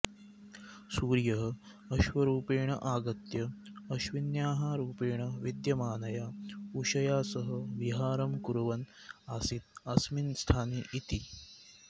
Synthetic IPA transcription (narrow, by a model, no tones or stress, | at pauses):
suːɾjɐɦɐ | ɐʃʋɐɾuːpeːɳɐ̰ʔaːɡɐt̪jɐɐʃʋinjaːɦaɾuːpeːɳ̃ɐʋid̪jɐmaːnɐjaːuɕɐjaːsɐɦɐʋiɦaːɾɐmkuɾʋɐn | aːsit̪̚ɐsminst̪ʰaːniːʔit̪i